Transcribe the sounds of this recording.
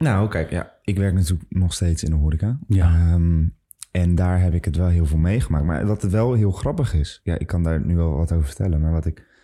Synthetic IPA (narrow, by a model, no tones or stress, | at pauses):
nawkɛjkja̰ | ɪkʋɛɹknatyːləknɔχstejtsɪ̰nəɦoɾikam | ɛndaːɹɦɛpɪkɦətʋɛlˠɦɪːlˠvɪːlˠmejχəmaːk̚tma̰ɹdɑtətʋɛlˠɦɪːlˠχrɑpəχɪsja̰ʔɪ̰kːɑndaːɹnyʋɛlˠʋɑtowvəɹfətɛ̰lənmaːɹʋɑtɪk